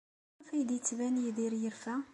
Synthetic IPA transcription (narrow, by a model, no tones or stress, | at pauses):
fæjd̪ət͡sːvænjiðiɾjəɾfæ